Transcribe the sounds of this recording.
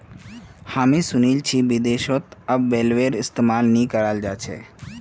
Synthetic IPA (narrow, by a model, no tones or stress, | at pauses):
hamisunilt͡ʃʰiʋid̪eʃot̪əbelʋeɾɪst̪emalnikəɾald͡ʒat͡ʃʰḛ